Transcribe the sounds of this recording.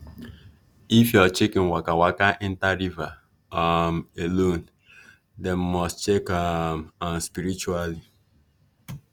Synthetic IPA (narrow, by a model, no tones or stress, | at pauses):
ifjɔt͡ʃekĩnwakawakaʔɛntaɾiva | amelon | dɛmːɔstt͡ʃekamãmspiɾit͡ʃuali